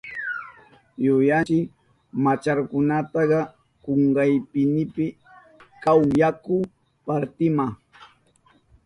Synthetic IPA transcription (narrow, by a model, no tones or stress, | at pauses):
jʊjat͡ʃɪ | mat͡ʃaɾkʊnat̪ɑɢɑ | koɴɢɑjpɪnɪpɪ | kawjakʊ | paɾt̪ɪmɑχ